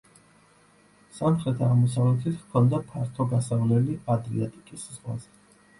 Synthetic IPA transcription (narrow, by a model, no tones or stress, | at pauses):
samχɾɛt̪ʰaːʁmɔsavlɛt̪ʰit̪kʰɔnd̪apʰaɾt̪ʰɔɡasavlɛliad̪ɾiat̪ʼikʼiszʁwa̰zɛ